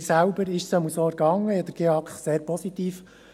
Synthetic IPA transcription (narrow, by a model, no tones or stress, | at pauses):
sælbəɾɪʃsɛmusoːɾɡɑŋːəɛd̪əɾɡ̥eɑkχseːɾpɔsit̪iːf